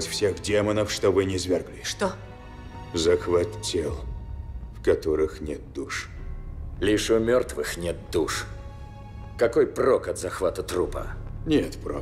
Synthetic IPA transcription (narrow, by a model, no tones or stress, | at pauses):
t̪fsʲe̞xdʲemənəfʂt̪ovɨnʲɪzvʲerɡlʲɪʂt̪o | zəxvat̪ʲːelˠfkɐt̪oɾɨxnʲeɛt̪̚d̪uʂ | lʲiʂʊmʲort̪vɨxnʲet̪̚d̪uʂ | kɐkojprokɐt̪zɐxvat̪ət̪ɾupə̰nʲet̪pro